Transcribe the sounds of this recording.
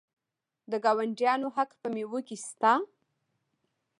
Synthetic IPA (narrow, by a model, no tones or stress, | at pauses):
d̪əɡɑwaɳɖjɑnoɦakpəmewokist̪a